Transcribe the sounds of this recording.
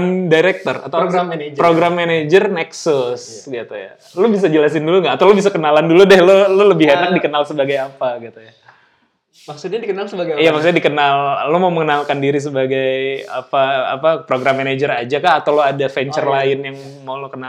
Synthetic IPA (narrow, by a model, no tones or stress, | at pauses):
ndaɾɛk̚t̪ɔra̰t̪awɡad͡ʒpɾoɡɾamːened͡ʒərnɛksʊsɡit̪uja̰ | lobis̬ad͡ʒəlasɪnduluŋɡaʔːt̪awlobis̬akənalanduludɛhlololəbɪɦenak̚dikənalsəbaɡajapaɡit̪uja | maksut̪̚ɲadikənalsəbaɡjamaksut̪ɲadikənalːomauməŋənalkandiɾis̬əbaɡaja̰pa̰ːpapɾoɡɾamːened͡ʒərad͡ʒakahat̪awloadafɛɲt͡ʃərlaɪnjaŋ | mawlokəna